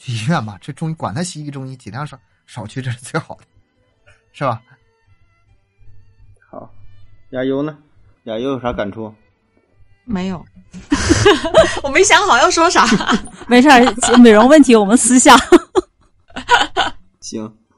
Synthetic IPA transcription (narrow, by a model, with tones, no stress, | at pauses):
t̪i˧˥ɥɛ˥˩nbɐ˩ʈ͡ʂɤ˥˩ʈ͡ʂʊ˥ŋi˥kwa˨˩nt̪ʰa˥ɕi˧˥i˥˩ʈ͡ʂʊ˥ŋi˥t͡ɕi˨˩ɑ˥˩ʂ | ʂɑ˨˩ʊt͡ɕʰy˥˧ʈ͡ʂɤ˥˧ʂɻ̩˥˧t͡swe˥˩ɪxɑ˨˩ʊd̪ə̥˦ | ʂɻ̩˥˩bɐ˩ | xɑ˨˩˦ja˨˧˩jo˧˥ʊnə˧ | ja˧˩jo˧˥ʊjo˧˩ʊʂa˧˥ka˨˩nʈ͡ʂʰu˥ | me˧˥ɪjo˨˩˦ʊ | wɔ˨˩me˥ɪɕ̬jɑ˧˥ŋxɑ˨˩ʊjɑ˥˩ʊʂwɔ˥ʂa˨˩˥me˧˥ɪʂa˥˩˧me˨˩ɪɻʊ˧˥ŋwə˥˩nt̪ʰi˥wɔ˨˩mə˦nsɹ̩˥ɕja˥˩ | t͡ɕʰi˧˥ŋ